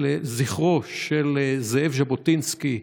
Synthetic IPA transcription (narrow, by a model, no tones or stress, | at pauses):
eziχʁoʃelzeevʒabotinski